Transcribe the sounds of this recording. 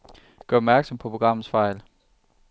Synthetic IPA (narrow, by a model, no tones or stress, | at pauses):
ɡ̥ɶɐɒbmæɐɡ̥sɒ̽mpʰɒ̽pʰo̝ɡ̥ʁɑ̈m̰ð̩ˠsfɑ̈ɪ̰l